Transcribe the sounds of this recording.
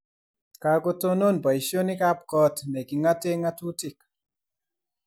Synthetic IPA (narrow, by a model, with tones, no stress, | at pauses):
ka˨ko˦to˦no˦nba˨jʃjo˦ni˦ka˦p̚kɔ˦tnɛ˨ki˨ŋa˦te˦ŋa˦tu˦ti˨k̚